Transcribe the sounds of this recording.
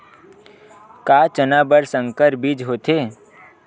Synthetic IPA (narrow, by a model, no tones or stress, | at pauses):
kaːt͡ʃənaːbəɾsə̃ŋkəɾbid͡ʒɦoːt̪eː